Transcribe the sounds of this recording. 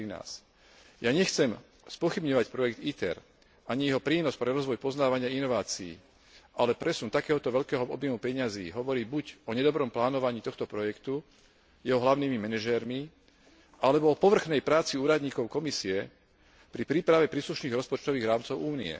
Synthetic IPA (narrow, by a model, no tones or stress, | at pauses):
ina̰ːs | jaːɲɛxt͡sɛm | spɔxibɲɔʋacpɾɔjɛɡt̪it̪ɛ̰ɾ | aɲijɛɦɔpɾiːnɔspɾɛɾɔzʋɔjpɔznaːʋaɲɪainɔʋaːt͡siḭː | alɛpɾɛsunt̪akɛːɦɔt̪ɔʋɛʎkɛːɦɔɔbjɛmupɛɲazḭːɦɔʋɔɾiːbuɟɔɲɛd̪ɔbɾɔmplaːnɔʋaɲiːt̪ɔxt̪ɔpɾɔjɛkt̪u | jɛɦɔɦlaʊniːmimɛnɛʒɛɾmi | alɛbɔɔpɔʋr̩xnɛjpɾaːt͡siuːɾad̪ɲiːkɔʊkɔmisiɛ | pɾipɾiːpɾaʋɛpɾiːsluʃniːɣɾɔspɔt͡ʃt̪ɔʋiːɣɾaːmt͡sɔʊʔuːnḭɛ̰